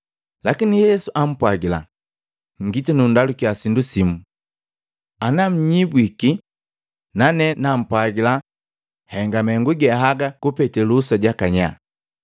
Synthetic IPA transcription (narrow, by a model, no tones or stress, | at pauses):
lakinijɛsuʔam̩pwaɡila̰ | ŋɡitinundalukiasindusimu | anam̩ɲibwiki | nanɛnam̩pwaɡila | hɛŋɡamɛŋɡuɡɛɦaɡakupɛtɛlusaɟakaɲa̰